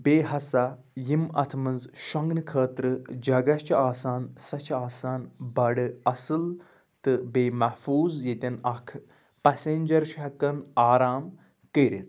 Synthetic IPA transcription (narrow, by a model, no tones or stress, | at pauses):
beːɦɐsa | jimɐ̰t̪ʰmɐnzʃɐŋɡnɨkʰəːt̪ɾɨd͡ʒɐɡɐt͡ʃʰaːsaːnsɐt͡ʃʰaːsaːnbɐɽɨɐsɨl | t̪ɨbeːmɐhfuːzjet̪ʲɐnɐkʰ | pɐseːnʲd͡ʒɐɾʃɐkɐnaːɾaːm | kəɾʲit̪